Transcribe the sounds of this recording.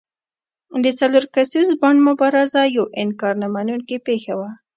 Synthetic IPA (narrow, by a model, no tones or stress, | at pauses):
d̪ət͡saloɾkasizbaɳɖmʊbɑɾazajawʔɪnkɑɾnamanunkepexawa